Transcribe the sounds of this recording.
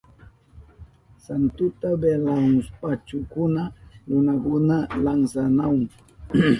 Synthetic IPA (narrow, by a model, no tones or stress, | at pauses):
sant̪ut̪abelauŋspat͡ʃukunalunaɡunalaŋsanawŋ